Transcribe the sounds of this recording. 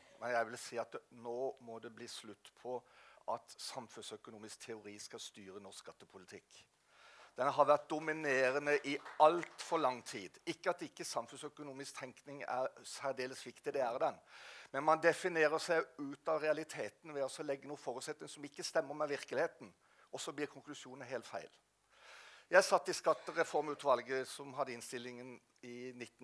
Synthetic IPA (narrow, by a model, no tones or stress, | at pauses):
mɛnjæɪʋɪlsiːɑt̪noːmɔd̪ɛbliːslʉt̪ːpʰɔʔɑt̪sɑmfʉnsœkʊnuːmɪskt̪ʰɛʊɾiːskɑst̪yːɾənɔsɑt̪ːəpʰʊlɪt̪ʰɪkː | d̪̥ɛnɦɑʋæʁt̪̚d̪ʊmɪneːɾənəʔɪɑlt̪fɔɾlɑŋːt̪ʰiːd̪ɪkːəɑt̪ɪkːəsɑmfʉnsœkʊnuːmɪskt̪ʰɛŋknɪŋæ̰ɾsæɾd̪eːləsʋɪkt̪ɪd̪ɛæʁd̪ɛnmɛnmɑnd̪ɛfɪneːɾəsæɪʉːt̪ɑʋɾɛɑlɪt̪ʰeːt̪n̩ʋɛɔsɔlɛɡːənuːfɔːɾʉːt̪sɛt̪nɪŋsɔmɪkːəst̪ɛmːəɾmɛʋɪɾkəlɪheːt̪n̩ | ɔsɔbliːɾkʰʊŋklʉsjuːnənɦeːlt̪fæ̰ɪl | jæɪsɑt̪ːɪskɑt̪ːəʁɛfɔɾmʉːt̪ʋɑlɡəsɔmɦɑd̪ːəɪnst̪ɪlːɪŋən | ɪnɪt̪ːn̩